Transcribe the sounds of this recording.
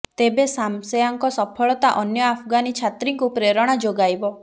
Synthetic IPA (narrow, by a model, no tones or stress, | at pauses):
t̪ebesamsejaŋkɔsɔpʰɔɭɔt̪aʔɔnjɔapʰɡanit͡ʃʰat̪ɾiŋkupɾeɾɔɽ̃ad͡ʒoɡajbɔ